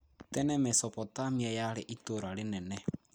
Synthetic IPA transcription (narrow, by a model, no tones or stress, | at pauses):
tɛnɛmɛsɔpɔtamiɛjaleʔitoɾalenɛnɛ